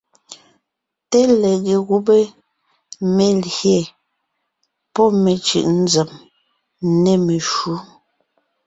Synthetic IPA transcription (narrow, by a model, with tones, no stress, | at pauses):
te˦lɛ˨ɣe˨ɣu˦be˦ | me˦˨lje˨ | pɔ˦me˨t͡ʃʉ̰˨ʔn̩˦zɛ˨m˦ | ne˦me˨ʃu˨˦